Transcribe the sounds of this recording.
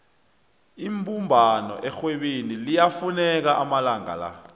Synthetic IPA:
imbʱumbʱanɔ̰ʔɛxweɓenilijafunɛk̬aʔamalaŋa̰la̰

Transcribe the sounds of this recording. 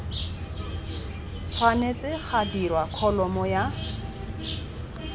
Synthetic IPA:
t͡sʰwanet͡sɪχadirwakʰɔlɔmɔja

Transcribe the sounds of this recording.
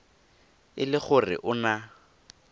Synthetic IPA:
ɪlɪχʊrɪ̰ʔʊna

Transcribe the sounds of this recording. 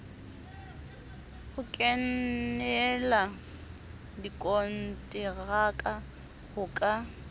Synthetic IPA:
hʊkʼɛnnɛla | dikʼɔn̩tʼɪɣakʼa | hʊkʼa

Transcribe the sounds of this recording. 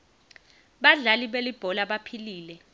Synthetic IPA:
ɓaɮaliɓelib̥ʱɔlaɓapʰiliːlɛ

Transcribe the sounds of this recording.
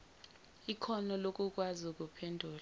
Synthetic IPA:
ikʰɔnɔlokʼukʼwazuk̬ʼupʰɛndʱuːl

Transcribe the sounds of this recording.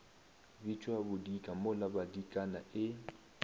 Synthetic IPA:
bit͡ʃʼwabʊdikʼamʊlabadikʼana̰ʔɪ

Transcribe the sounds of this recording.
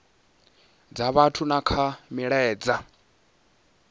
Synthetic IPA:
d͡zaβatʰunakʰamiɺɛːd͡za

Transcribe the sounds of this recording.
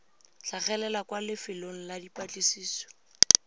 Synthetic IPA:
ɬaχɛlɛlakwalɪfɪloŋ̩ladipʼat͡ɬʼisiːsɔ̥

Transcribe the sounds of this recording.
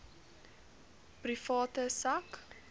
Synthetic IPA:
prifɑːtəsɐk

